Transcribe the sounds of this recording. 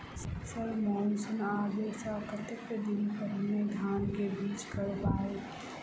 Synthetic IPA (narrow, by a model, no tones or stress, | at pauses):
ssəɾmɔːnsənaːd̪esakət̪əkked̪ɪnpəɾɦɐmed̪ʱaːnkebiːt͡ʃkəɾbaːe